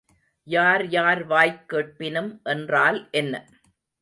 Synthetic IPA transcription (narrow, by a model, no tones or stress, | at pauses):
jaːɾjaːɾʋaːjkːeːʈ̚pɪnɯmʔɛndraːlʔɛnːɐ